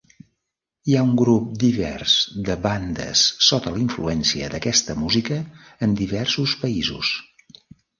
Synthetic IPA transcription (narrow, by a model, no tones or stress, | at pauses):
iauŋɡɾup̚d̪iβɛ̰rz̥d̪əβand̪ə̰sːɔt̪əliɱfluɛnsiə̰d̪əkɛst̪əmuzikəː | nd̪iβɛrsuspəizṵs